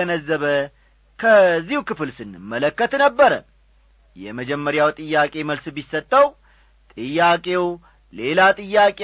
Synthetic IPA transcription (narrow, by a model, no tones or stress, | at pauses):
ənəzːəβə | kʰəzːihukɨfɨlsɨnɨmːələkːət̪nəbːəɾə̰ | jɛ̰məd͡ʒɛmːəɾjawt̪ʼɨjːakʼe̞məlsbisːət̪ʼːəw | t̪ʼɨjːakʼe̞w | le̞lat̪ʼɨjːakʼe